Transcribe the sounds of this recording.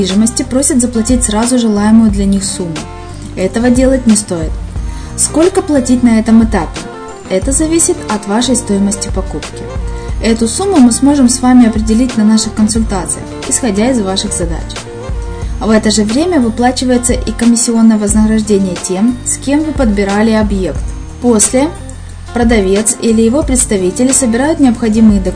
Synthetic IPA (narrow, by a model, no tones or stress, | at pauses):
iʐɨməsʲtʲɪpɾo̞sʲɪt̪zəplˠɐtʲit̚ʲsɾazʊʐɨlˠajɪmʊjʊd̪lʲɐnʲixsumːʊ | ɛt̪əvədʲe̞lˠətʲnʲɪst̪o̞jɪt̪ | sko̞lʲkəplˠɐtʲit̚ʲnɐɛt̪əmɨt̪apʲɪ | ɛt̪əzɐvʲisʲɪt̪ɐt̪vaʂəjst̪o̞jɪməsʲtʲɪpɐkupkʲɪɛt̪ʊsumːʊmɨsmo̞ʐɨmsvamʲɪɐpɾʲɪdʲɪlʲitʲnɐnaʂɨxkənsʊlʲt̪at̪sɨjə̰xɪsxɐdʲaɪzvaʂɨxzɐd̪a̰t͡ɕ | vɛt̪əʐɨvɾʲemʲəvɨplˠat͡ɕɪvəjɪt̪səʔikəmʲɪsʲːɪo̞nːəjəvəznəɡɾɐʐdʲenʲɪjətʲemskʲe̞mvɨpəd̪̚bʲɪɾalʲɪɐbje̞kt̪ | posʲlʲɪ | pɾəd̪ɐvʲe̞t̪silʲɪjɪvo̞pɾʲɪt̪st̪ɐvʲitʲɪlʲɪsəbʲɪɾajʊt̪nʲɪɐpxɐdʲimɨjɪd̪ə